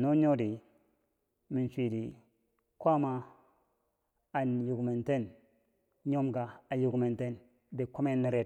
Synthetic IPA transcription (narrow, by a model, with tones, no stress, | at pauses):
no˦ɲo˦di˨ | mi˨n˨si˨di˨ | kʷa˦ma˦˨ | nju˨ɡu˨me˨nte˦n | ɲo˦mɡa˨a˨ju˨ɡme˨nte˦n | de˨ko˦me˦nːi˦ɾe˦˨